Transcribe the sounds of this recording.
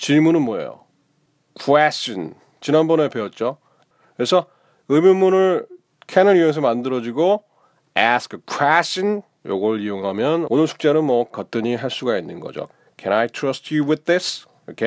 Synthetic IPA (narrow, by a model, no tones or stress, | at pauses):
t͡ɕiɭmunɯnmwʌḛjo̰ | kʰwɛɕt͡ɕ͈ʌn | t͡ɕinanbʌne̞pe̞ʌt̚t͡ɕ͈o | kɯɾesʰʌ | ɯmjonmunɯɭ | kʰenɯɾieŋes̬ʰʌmandɯɾʌd͡ʑiɡo | askʰkʰweɕ͈ʰʌn | jo̰ɡʌɾɯɭijoŋɦamjʌnonɯɭsʰu̥k̚t͡ɕ͈enɯnmwʌkʌt͈ɯɲiɦaɭs͈uɡainːɯnɡʌ̰d͡ʑo̰ | kʰɛnajtʰɹʌstjuwɪð̚ðɪs | okʰe